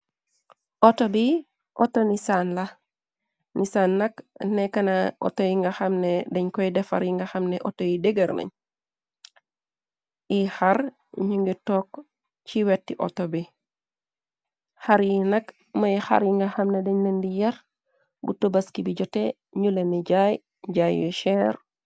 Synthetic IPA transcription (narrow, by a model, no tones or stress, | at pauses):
ʔɔtobi | ʔɔtonisaːnlɐ | nisaːnːɐknɛkɐnɐʔo̰tojiŋɡɐxɐmnedɐɲkɔjdɛfɐ̰ɾjiŋɡɐxɐmnɛʔɔtojideɡɐɾnɐ̰ɲ | ixaɾ | ɲuŋɡitɔːk | t͡ʃiwɛtːiʔo̰tobi | xaɾjinɐk | mɐjxa̰ɾjiŋɡɐxɐmnedɛɲlendijɐɾ | bṵtubɐskibiɟɔte | ɲuleniɟaj | ɟaːjjuʃɛɾ